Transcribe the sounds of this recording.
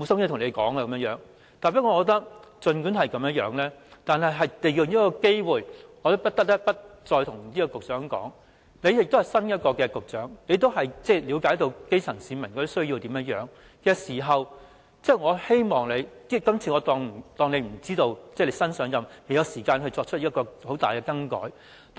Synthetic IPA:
mo˨˧sɐ˥mkɛː˥˩t̪ʰʊ˨ŋnle˨˧jkɔː˨˥ŋa˧ɐ˧mjə˥ŋjœː˨˥ŋ | t̪aː˨npɐ˥kɔː˨˧kɔː˧˥t̪ɐ˥k̚ | t͡sɵ˨˧nkyː˨˥nhɐ˨jkɐ˨˧mjɐ˥jœː˨˥ŋlɛː˥t̪aː˨nɦɐ˨jɦɐ˨jt̪e˨ji˨˧niː˥kɔː˧ke˥jwuː˨jŋɔː˨˧t̪o˥wpɐ˥t̪ɐ˥k̚t̪ɐ˥pɐ˥t̚t͡sɔː˧jt̪ʰʊ˨˩ŋniː˥kɔ˧kʊ˨k̚t͡sœː˨˥ŋkɔ̰ː˨˥ŋ | ne˨˧jkt̪o˥hɐ˨˩jsɐ˥njɐ˥t̚kɔː˧kɛː˧kʊ˨k̚t͡ʃœː˨˥ŋne˨˧jt̪o˥wɦɐ˨jt͡sɛː˥˩liː˨˧wkaː˨˥jt̪o˧wke˥jt͡sʰɐ˨˩ŋsiː˨˧mɐ˨˩nkɔ˧t̪o˥sɵ˥ɥjiː˧wt̪iː˨˥mjɐ˥jœ̰ː˨˥ŋ | kɛː˧siː˨˩ɦɐ˨w | t͡sɛː˥˩ŋɔː˨˧he˥jmɔː˨ŋle˨˧jiː˥kɐ˥mt͡sʰiː˧ŋɔː˨˧t̪ɔː˧ŋm̩˨˩t̪ɔː˧ŋne˨˧m̩˨˩t͡siː˥t̪o˧wt͡sɛː˥˩le˨˧jsɐ˥nsœː˨˥ŋjɐ˨me˨jɐ˨˧wsiː˨˩kaː˧nhɵ˧ɥt͡ʃt͡sɔː˧k̚t͡ʃʰɵ˥t̚ːiː˥kːɔː˧ho˨˥wt̪aː˨jkɛː˧kɐ˥ŋkɔ̰ː˨˥j̪

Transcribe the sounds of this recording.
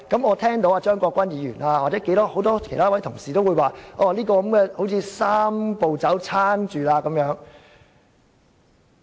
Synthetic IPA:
kɐ˨˦˥mɔː˨˧t̪ʰɛː˥ŋt̪o˨˥waː˧t͡ʃœː˥ŋkɔː˧kʷɐ˥njiː˨˧jyː˨˩naː˧waː˨t͡sɛː˨˥ke˨˥jt̪ɔː˥ho˨˥wt̪ɔː˥kʰe˨˩jt̪ʰaː˥wɐ˨˥jt̪ʰʊ˨˩ŋsiː˨t̪o˥wu˨˧jwaː˨ʔɔː˧liː˥kɔː˧kɐ˨˥mkɛː˧ho˨˥wt͡sʰiː˧saː˥mpo˨wt͡sɐ˨˥wt͡sʰaː˥nt͡ʃyː˨laː˧kɐ˨˦mjœː˨˥ŋ

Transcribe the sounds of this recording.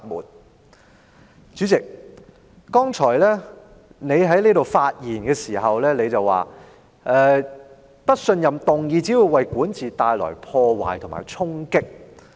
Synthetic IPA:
mṵː˨˩n̚ | t͡ʃyː˨˥t͡sɪ˨k̚ː | ɔː˥ŋt͡ʃʰɔː˨˩jlɛː˥ | ne˨˧jɦɐ˨˥jnliː˥ɾo˨wfaː˧t̚jiː˨˩nkɛː˧siː˨˩ɦɐ˨wlɛː˥ne˨˧jt͡sɐ˨wːa̰ː˨ | ʔɛː˨˧ | tɐ˥t̚sɵ˧njɐ˨mt̪ʊ˨ŋjiː˨˧t͡siː˨˥ju˨˧jwɐ˨jkuː˨˥nt͡sʰiː˨t̪aː˧jlɔ̰ː˨˩jpʰɔː˧wa̰ː˨˩jt̪ʰma̰ː˨˩jt͡sʰʊ˥ŋkɪ˥k̚

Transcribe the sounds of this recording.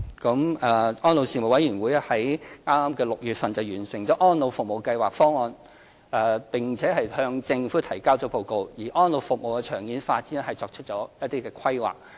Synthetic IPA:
kɐ˨˥mɛ˨ʔɔː˥nlo˨˧wsiː˨nmo˨˩wɐ˨˥jyː˨˩nwuː˨˥jɛ˥hɐ˨˥jŋaː˥maː˥mkɛː˧lʊ˨k̚jyː˨t̚fɐ˨nt͡sɐ˨wjyː˨˩nsɪ˨˩ŋt͡sɔː˨˥ʔɔː˥nlo˨˧wfʊ˨k̚mo˨wkɐ˧jwaː˨k̚fɔː˥ŋɔː˧n | ʔɛ˨˧pɪ˨ŋt͡sʰɛː˨˥ɦɐ˨jhœː˧ŋt͡sɪ˧ŋfuː˨˥t̪ʰɐ˨˩jkaː˥wt͡sɔː˨˥po˨˧wko˨˧wjiː˨˩ʔɔː˥nlo˨˧wfʊ˨k̚mo˨wkɛː˧t͡ʃʰœː˨˩ŋjiː˨˥nfaː˧t̚t͡siː˨˥nɛ˥hɐ˨jt͡sɔː˧k̚t͡ʃʰə˥t̚t͡ʃɔː˨˥jɐ˥t̚t̪iː˥kɛː˧kʰɐ˥jwa̰ː˨˩k̚

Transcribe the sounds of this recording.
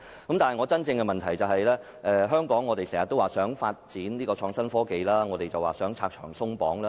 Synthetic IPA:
kɐ˨˦mt̪aː˨nɦjŋɔː˨˧t͡sɐ˥nt͡sɪ˧ŋkɛ˧mɐ˨nt̪ʰɐ˨˩jt͡sɐ˨wɦɐ˨jlɛː˥ | ʔɛ˨˧ɦœː˥ŋkɔː˨˥ŋːɔː˨˧te˨jsɛː˨˩ŋɐ˨t̪ːo˥waː˨˩sœː˨˥ŋfaː˧t̚t͡siː˨˥nniː˥kɔː˧t͡ʃʰɔː˧ŋsɐ˥nfɔː˥ke˨jlaː˥ŋɔ˨˧t̪e˨jt͡sɐ˨waː˨sœː˨˥ŋt͡sʰaː˧k̚t͡ʃʰœ̥ː˨˩ŋsʊ˥ŋpɔː˨˥ŋlaː˦˥

